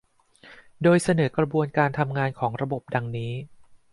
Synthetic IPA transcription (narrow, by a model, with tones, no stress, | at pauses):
doː˧jsa˧nɤː˩˦kɾa˧bu˧ənkaː˧nt̪ʰa˧mŋaː˧nkʰɔː˩˦ŋɾa˧bo˨˩p̚da˧ŋniː˦˥